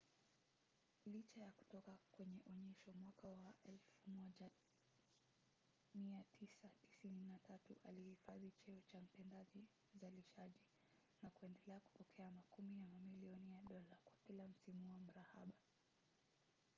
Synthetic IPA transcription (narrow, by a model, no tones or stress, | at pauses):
lit͡ʃajaku̥tɔkakwɛɲɛʔɔɲɛʃɔmwakawaʔɛlfumɔʄa | miatʰisati̥sininatatuʔa̰lihifaðit͡ʃɛɔt͡ʃam̩pɛndaʄi | uzaliʃaʄi | nakuɛndɛlɛaku̥pɔkʰɛamakumijamamiliɔnijaɗɔlakwakilam̩simuam̩ɾaha̰ɓa